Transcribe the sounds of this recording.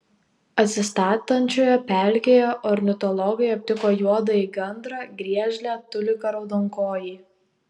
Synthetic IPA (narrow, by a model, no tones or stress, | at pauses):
ɐt̪ʲsʲɪst̪ɑːt̪ɐnʲt͡ʃʲoːjɛpʲæˑlʲkʲeːjɛʔɔɾʲnʲɪt̪ɔlˠɔɡɐjɐp̚ʲt̪ʲɪkoːjuɔd̪ɐiɡʲɛnd̪ɾɑɡɾʲiɛʒʲlʲæːt̪ʊlʲɪkɐɾɐʊd̪ɔŋkoːjiː